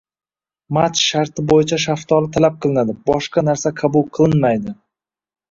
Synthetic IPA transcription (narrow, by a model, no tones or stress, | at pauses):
mat̪ʃaɾt̪ʰɪbojɪt͡ʃʰaʃaft̪ʰɒlˠɪt̪ʰalap̚qʰɨlˠɪnad̪ɪbɒʃqɑnaɾsaqʰɑbʊlˠqʰɨlˠɪnmajd̪ɪ